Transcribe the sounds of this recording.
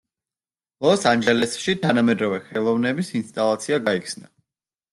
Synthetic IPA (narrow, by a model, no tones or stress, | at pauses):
lˠɔsand͡ʒɛlɛsʃit̪ʰanamɛd̪ɾɔvɛχɛlˠɔvnɛbisinst̪ʼalˠat̪sʰiaɡaikʰsna